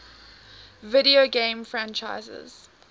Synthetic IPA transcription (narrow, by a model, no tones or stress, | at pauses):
vɪɾioɡẽɪmfɹãnt͡ʃaɪzə̰z̥